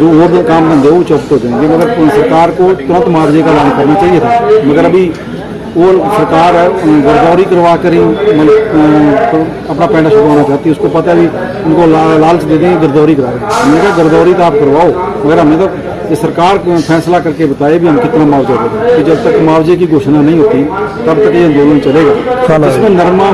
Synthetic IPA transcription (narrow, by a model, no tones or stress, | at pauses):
d͡ʒoːoːɾkaːmɡə̃nd̪eːɦoːt͡ʃɔːpt̪ɦoːd͡ʒãːẽɡeməɡəɾsəɾkaːɾkoːt̪ʊɾə̃nt̪maːʋd͡ʒeːkaːlaːnkəɾnaːt͡ʃaːieːt̪ʰaːməɡəɾəbiː | oːsəɾkaːɾɡəɾd̪ɔːɾiːkəɾʋaːkəɾeõːmə | əpnaːpɛ̃ːɳɖaːʃʊɾuɦõːnaːt͡ʃaːt̪iʊskopət̪aebi | ʊnkoːlalaːlsd̪eːd̪ẽːɡəɾd̪ɔːɾiːkəɾaːɾeɦəmẽkaːɡəɾd̪ɔːɾiːt̪aːp̚kəɾʋaːoːməɡəɾɦəmẽːt̪a | esəɾkaːɾpʰɛːslaːkəɾkebət̪aːebʱiɦəmkɪt̪nãːmaːʋd͡ʒad̪eːd̪akid͡ʒəb̚t̪əkmaːʋd͡ʒeːk̬iːɡʱoːʃnaːnəĩːɦoːt̪iːt̪əbt̪əkeːə̃nd̪oːlənt͡ʃəleːɡaːɪskõːnəɾmãː